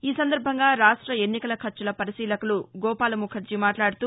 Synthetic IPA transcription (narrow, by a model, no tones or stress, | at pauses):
iːsɐnd̪ɐɾbʱɐŋɡaːɾaːʂʈɾɐe̞nːikɐlɐkʰɐt͡ʃːulɐpɐɾisiːlɐkuluɡɔːpaːlɐmukʰɐɾt͡ʃimaːʈlaːɽut̪uː